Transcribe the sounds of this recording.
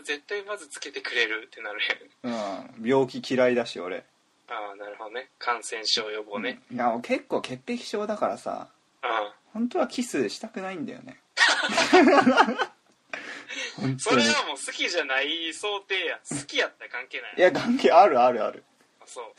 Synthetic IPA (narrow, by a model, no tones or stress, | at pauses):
ze̞t̪ːaimazɨt͡sɨ̥ke̞t̪e̞kɯ̟ɾe̞ɾɯ̟t̪ːe̞naɾɯaɯ̃ːbʲjo̞ːkʲikʲiɾaid̪aɕio̞̰ɾe̞̰ | aːnaɾɯ̟ho̞d̪onekʰãɰ̃sẽ̞ɰ̃ɕoːjoboːnejaokʰe̞kːo̞ːke̞pːe̞kʲi̥ɕo̞ːd̪akaɾa̰sa̰ | ɯ̃ːhõ̞nt̪o̞βakʲisɨɕi̥t̪akɯ̟naĩnd̪a̰jo̞̰ne̞ | hõ̞ntssooɾeɡamo̞ːsɨ̥kʲiʑanaiso̞ːt̪e̞ːjasɨ̥kʲijat̪ːajkãŋke̞ːnajjaɡãŋkeaɾɯ̟aɾɯ̟a̰ɾɯ̟ | asoː